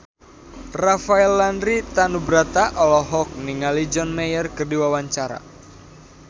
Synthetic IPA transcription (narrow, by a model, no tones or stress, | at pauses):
rafaɛlːandɾit̪anubɾat̪aʔɔlɔɦɔk̚niŋalid͡ʒɔnmejərkərdiwawaɲt͡ʃaɾa̰